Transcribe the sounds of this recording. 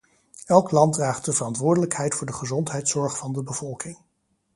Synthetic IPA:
ɛlˠklɑntdraːχt̚dəv̥ərɑntʋʊːɹdələkɦɛjtfʊːɹdəχəzɔntɦɛjtsɔɹχfɑndəbəv̥ɔlˠkɪŋ

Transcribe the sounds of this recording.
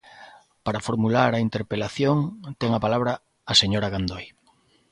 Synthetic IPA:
paɾafoɾmulaɾɐint̪eɾpelaθjoŋt̪ɛŋapalaβ̞ɾaː | seɲoɾaɣand̪oj

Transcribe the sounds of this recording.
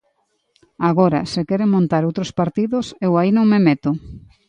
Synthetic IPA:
aɣoɾɐ̰sekɛɾemõnt̪aɾowt̪ɾospaɾt̪iðʊsewainõŋmemet̪ʊ

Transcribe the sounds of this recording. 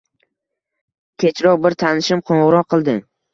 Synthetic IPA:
kʲʰe̞t͡ʃʰɾɒʁbɪɾt̪ʰanɪʃɪmqʰoɴʁʊɾɒqʰːɨlˠd̪ɪ

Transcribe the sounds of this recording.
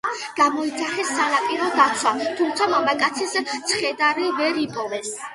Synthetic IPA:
ɡ̥amɔid̪zaχɛsːanapʼiɾɔd̪at̪sʰwat̪ʰumt̪sʰamɔmakʼat̪sʰist̪sʰχɛd̪aɾivɛɾipʼɔvɛs

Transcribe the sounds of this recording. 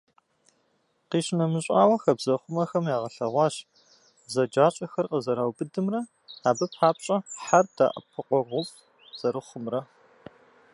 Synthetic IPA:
qiːʃnɐmɨɕʼaːwɐxɐbzɐχʷʊmɐxɐmjaːʁɐɬɐʁʷɑːɕ | zɐd͡ʒaːɕʼɐxɐrqəzɐɾaːwbɨdɨmrɐ | aːbɐpħaːpʼɕʼɐħarda̰ːʔɐ̰pʰɨqʷɔʁʷʊpʼ | z̥ɐɾɨχʷʊmrɐ

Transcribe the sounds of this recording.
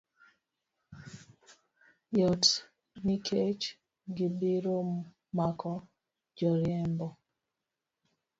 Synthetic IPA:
jɔt | nikʰet͡ʃ | ɡɪbiɾo | makʰɔ | d͡ʒɔɾjɛmbɔ

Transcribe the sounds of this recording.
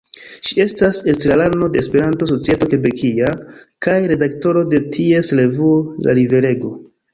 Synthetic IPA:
ʃie̞stase̞stɾalaɾno̞de̞ːspe̞ɾanto̞s̬o̞t͡sietoke̞be̞kʰiakajɾe̞dakto̞ɾo̞de̞tʰie̞sle̞vuola̰live̞ɾe̞ɡo̞

